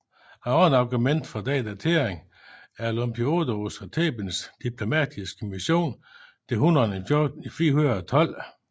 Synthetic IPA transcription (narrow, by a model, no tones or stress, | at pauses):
æɒnɑ̈ɡ̥umen̰d̥fɒd̥ɛ̰ːd̥æt͡sʰe̝ɐeŋ | æɐlɔmpʰio̝d̥osɒt͡sʰḛːb̥ənsd̥ipʰlo̝mɛ̰d̥isɡ̥əmiɕo̝̰ːnd̥e̝ɦunɐniifiːɐɦunɐðˠɐt͡sʰɒ̽l̰